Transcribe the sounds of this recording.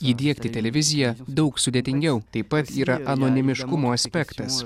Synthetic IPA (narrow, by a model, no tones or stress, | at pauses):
iːd̪ʲiɛkt̪ʲɪt̪ʲɛlʲɛʋʲɪzʲɪjɛd̪ɒʊksʊd̪ʲeːt̪ʲɪŋʲɡʲɛʊt̪ɐɪpːɐt̪iːɾɐʔɐnoːnʲɪmʲɪʃkʊmoːɐsʲpʲɛkt̪ɐs